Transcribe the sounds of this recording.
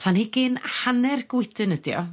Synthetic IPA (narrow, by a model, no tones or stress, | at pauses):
lanhiɡɪnhanɛrɡwɪdɨnədjɔ̰